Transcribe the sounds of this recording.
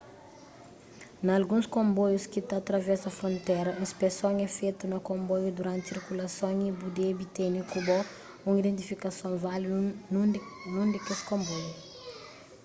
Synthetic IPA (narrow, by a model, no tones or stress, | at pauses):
nɐlɡũskõmbɔjuskit̪aːt̪ɾɐvɛsɐfɾõnt̪ɛɾɐĩspesõŋɛfet̪unɐkõmbɔjud̪uɾãnt̪siɾkulɐsõŋibud̪ebit̪enikubɔ | ũŋid̪ẽnt̪ifikɐsõvalinnũnd̪ɛkeskõmbɔju